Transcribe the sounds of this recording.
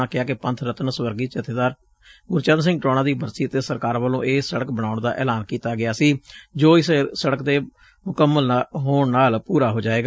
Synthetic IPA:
aːkɪaːkɪpə̃nt̪ʰɾət̪nsʋəɾɡiːt͡ʃət̪eːd̪aːɾ | ɡʊɾt͡ʃə̃nd̪sɪ̃ŋɡʈɾoːɽãːd̪iːbʱəɾsiːət̪eːsəɾkaːɾʋəlõːʔeːsəɽəkbəɽaːʊɳd̪a̰ːʔɛ̰ːlaːnkiːt̪aːɡɪaːsiːd͡ʒoːɪssəɽəkd̪eː | mʊkəmːəlɦoːɳnaːlpuːɾaːɦoːd͡ʒaːeːɡaː

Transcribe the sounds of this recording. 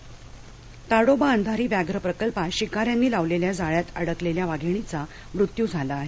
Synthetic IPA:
t̪aɽobaənd̪ʱaɾiːʋjaɡɾəpɾəkəlpaɕikaɾjanːiːlaʋleljad͡zaɭjat̪əɽəkleljaʋaɡʱiɳ̃it͡sa | mɾut̪juːd͡zʱalaːɦe

